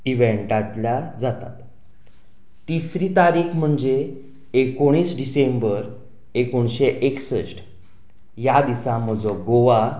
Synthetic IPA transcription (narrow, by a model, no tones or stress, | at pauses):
iʋeɳʈat̪lad͡zat̪a̰t̪ | t̪isɾiːt̪aɾiːkʰm̤əɳd͡zeː | koɽ̃iːsɖisembəɾ | ekoɳɕeʔeksəɕʈ | jad̪isãm̤əd͡zɔɡoʋa